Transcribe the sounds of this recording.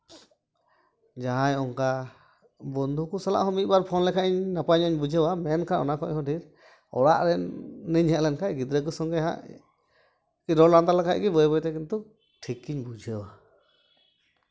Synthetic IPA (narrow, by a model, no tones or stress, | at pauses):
d͡ʒaɦãjɔŋka | bɔnd̪ʱukusala̰ʔɦɔ̃mit̪̚baɾpʰɔnlɛkʰaʔiɲnapaɲɔɲbud͡ʒʱəwamɛnkʰaʔɔ̰nakɔɲhɔ̃ɖʱiɾ | ɔ̰ɽa̰ʔɾɛːəɲhəʔlɛnkʰajɡid̪ɾək̬usɔŋɡɛɦã̰ʔ | kiɾɔɾland̪alɛkʰa̰ʔɡibɔjbɔjt̪ɛkint̪u | ʈʰikːiɲbud͡ʒʱəwa